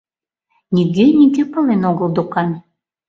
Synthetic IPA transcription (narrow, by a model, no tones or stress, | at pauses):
nʲiɡenʲiɡepɤ̆lˠenoɣə̆lˠd̪ukɑnʲ